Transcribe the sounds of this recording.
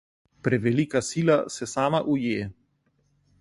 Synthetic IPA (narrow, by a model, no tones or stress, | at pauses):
pɾɛʋɛliːkasiːlasɛsaːmaʔujeː